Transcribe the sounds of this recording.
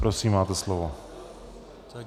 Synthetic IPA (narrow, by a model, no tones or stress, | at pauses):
pɾosiːmːaːt̪ɛslovo